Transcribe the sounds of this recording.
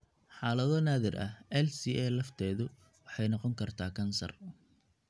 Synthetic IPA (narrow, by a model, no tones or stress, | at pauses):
ħɑːlɐðɔnaːðɪrʔɐ̰hɛlsiːʔɛːlɐft̪ʰɛːðʊ | wɑħɑjnɑqɔŋkʰɐrt̪ʰaːkʰɐnsɐ̰r